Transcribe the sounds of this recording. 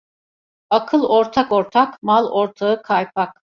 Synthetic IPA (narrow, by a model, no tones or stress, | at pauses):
akʰɯlˠɔɾt̪ʰakoɾt̪ʰakmalˠoɾt̪ʰaɯkʰajpʰak̚